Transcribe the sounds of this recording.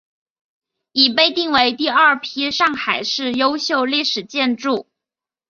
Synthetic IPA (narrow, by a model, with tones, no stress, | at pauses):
i˨˩pe˥˧ɪt̪i˥˩ŋwe˧˥ɪt̪i˥˧ɐ˞˥˧˩pʰi˥ʂɑ˥˩ŋxa˨˩ɪʂɻ̩˥˩jo˥ʊɕjo˥˧ʊli˥˩ʂɻ̩˨˩t͡ɕjɛ˥˧nʈ͡ʂu˥˩